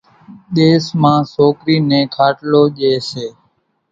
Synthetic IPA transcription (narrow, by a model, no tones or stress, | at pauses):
ɗeːsmãːsoːkɾiːnẽːkʰaːʈloːʄeːseː